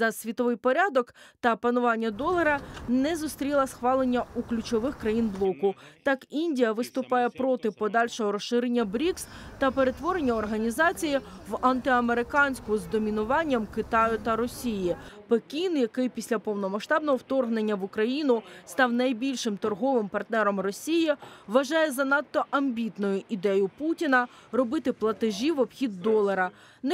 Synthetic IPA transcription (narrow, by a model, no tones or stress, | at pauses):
zɐsʲʋʲit̪ɔʋɪjpɔɾʲɑd̪ɔkt̪ɐpɐnʊʋɑnʲːɐd̪ɔlˠɐɾɐnɛzʊst̪ɾʲilˠɐsxʋɑlˠenʲːɐuklʲʊt͡ʃɔʋɪxkɾɐjinblˠɔkʊt̪ɑkinʲdʲijɐʋɪst̪ʊpɑjɛpɾɔt̪ɪpɔd̪ɑlʲʃɔɦɔɾɔsʃɪɾenʲːɐbɾʲikst̪ɐpeɾe̞t̪ʋɔɾenʲːɐɔrɦɐnʲizɑt͡sʲijɪʋɐnt̪ɪɐme̞ɾɪkɑnʲsʲkʊzd̪ɔmʲinʊʋɑnʲːɐmkɪt̪ɑjʊt̪ɐɾɔsʲijipekʲinjɐkɪjpʲisʲlʲɐpɔwnɔmɐʃt̪ɑbnɔɦɔwt̪ɔrɦne̞nʲːɐʋʊkɾɐjinʊst̪ɑwnɐjbʲilʲʃɪmt̪ɔrɦɔʋɪmpɐrt̪nɛɾɔmrɔsʲijiɪʋɐʒɑjɛzɐnɑt̪ːɔʔɐmʲbʲit̪nʊjʊʔid̪ɛjʊputʲinɐ | rɔbɪt̪ɪplˠɐt̪ɪʒʲiʋɔb̥xʲid̪ːɔlˠɐɾɐ | n